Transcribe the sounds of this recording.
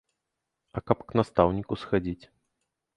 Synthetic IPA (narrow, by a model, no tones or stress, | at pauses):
ɐkapknast̪awnʲikusxad͡zʲit͡sʲ